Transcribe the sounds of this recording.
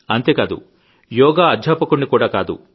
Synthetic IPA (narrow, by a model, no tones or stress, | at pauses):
ɐnt̪e̞ːkaːd̪ṵ | jɔːɡaːɐdʱaːpɐkuɳːikuːɽaːkaːd̪ṵ